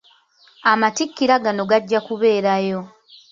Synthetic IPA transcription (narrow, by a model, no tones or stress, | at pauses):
amatikːiɾaɡano̞ɡaɟːakuβe̞ːɾajo̞